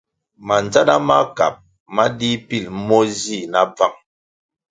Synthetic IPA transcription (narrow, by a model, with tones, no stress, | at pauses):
ma˨n˨d͡za˦na˦ma˦ka̰˨p̚ | ma˦di˦pi˦˨lmɔ˦zi˦˨na˦b͡va˦ŋ